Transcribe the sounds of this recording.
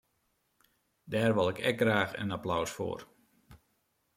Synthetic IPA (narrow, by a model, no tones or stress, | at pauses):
dɛːrʋɔlˠɪkʰɛ̰k̚ɡraːxə̰naplawsfo̰ːr